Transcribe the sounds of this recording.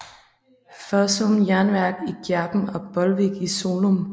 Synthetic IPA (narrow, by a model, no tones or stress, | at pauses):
fœsomjæɐnʋæɐɡ̥iɡ̥jæɐb̥m̩ɒ̽b̥ɒlʋiɡ̥iso̝ːlom